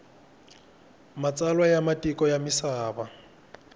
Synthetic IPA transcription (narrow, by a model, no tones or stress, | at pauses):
mat͡sʼalwajamatʼikʼɔjamisaːba